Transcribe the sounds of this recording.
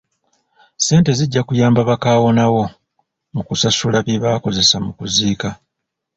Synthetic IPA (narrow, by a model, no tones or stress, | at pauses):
se̞ːnte̞ziɟːakujaːmbaβakaːwo̞nawo̞ | mukusasulaβjiβaːko̞ze̞samukuziːka